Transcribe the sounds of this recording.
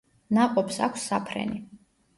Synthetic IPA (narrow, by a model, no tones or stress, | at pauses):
naqʼɔpsa̰kʷʰsːapʰɾɛ̰ni